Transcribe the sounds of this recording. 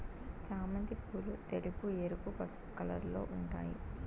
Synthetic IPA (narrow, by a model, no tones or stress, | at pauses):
t͡ʃaːmɐnd̪ipulut̪elupueɾupupɐt͡ʃu̥pkɐlɐ̰ɾlo̞̰ːʔuɳʈa̰ːjḭ